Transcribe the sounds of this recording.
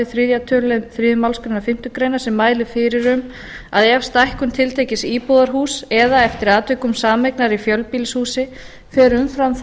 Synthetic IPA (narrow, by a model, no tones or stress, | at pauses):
ɪθɾiðjat̪ʰœlɛnθɾiːðmawlskɾejnaɾfɪm̥t̪ʏkɾejnaɾsɛmːaːjlɪfɪɾɪɾʏm | aðɛfst̪ajhkʏmt̪ʰɪlt̪ʰeːjcɪsiːpɔðaɾ̥ɦuːsɛðaɛft̪ɪɾaːt̪œkʏmsaːmɛjknaɾifjœlpiːlshuːsɪ | fɛɾʏmfɾamθ